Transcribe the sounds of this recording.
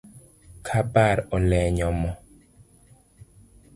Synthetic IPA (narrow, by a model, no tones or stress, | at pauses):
kʰabaɾɔlɛɲɔmɔ